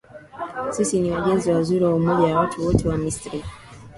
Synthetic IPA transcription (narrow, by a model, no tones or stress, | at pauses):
sisiniwaʄɛnziwazuɾiwaumɔʄajawatʰuwɔtʰɛwamistɾi